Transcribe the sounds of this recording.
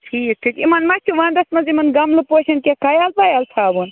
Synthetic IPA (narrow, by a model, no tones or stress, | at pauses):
ʈʰiːk̚ʈʰikimɐnmɐt̪ʰiʋãːnd̪ɐsmɐzimɐnɡɐmlɨpoʃɐnkʲekajalpajalt̪ʰabun